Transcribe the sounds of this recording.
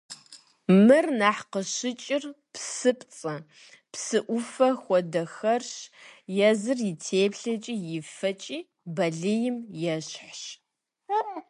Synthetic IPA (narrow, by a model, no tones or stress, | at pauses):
mɨrnaːħqəʃɪt͡ʃʼɪr | psɨpʼt͡sʼɐ | psɨʔʷʊfɐxʷɔdɐxɐrɕjɛzɨrjɪtʰeːpɬɐt͡ʃʼijɪfɐt͡ʃʼiː | bɐɮɨjɪmjɛɕħɕ